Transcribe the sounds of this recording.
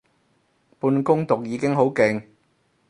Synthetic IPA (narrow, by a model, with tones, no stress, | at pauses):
puː˧nkʊ˥ŋt̪ʊ˨k̚jiː˨˧˥kɪ˥ŋɦo˨˥wkɪ˨ŋ